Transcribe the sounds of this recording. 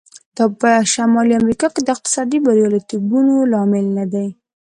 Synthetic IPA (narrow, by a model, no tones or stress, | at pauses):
d̪̥ɑpəʃamɑliamɾikɑked̪əɪq̚t̪ɪ̥sɑd̪ibaɾijɑlat̪iɡunolɑmɪlnad̪aj